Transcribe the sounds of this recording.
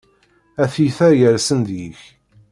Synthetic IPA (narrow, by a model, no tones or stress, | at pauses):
æθiθæjəɾsənðjiç